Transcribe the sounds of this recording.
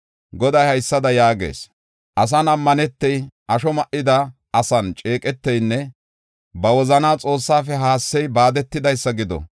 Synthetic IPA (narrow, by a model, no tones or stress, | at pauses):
ɡɔd̪ɐjhɐjsːɐd̪ɐjaːɡe̞̰ːs | ʔɐs̬ɐnɐmːɐnɛt̪ːɛjʔɐʃɔmɐʔɪd̪ɐ | ɐsɐnt͡ʃʼe̞ːkʼɛt̪ːɛjnːɛ | bɐwɔzɐnaːt͡sʼo̞ːsːaːfɛɦaːsːɛjbaːd̪ɛt̪ːɪd̪ɐjsːɐɡɪd̪ɔ̰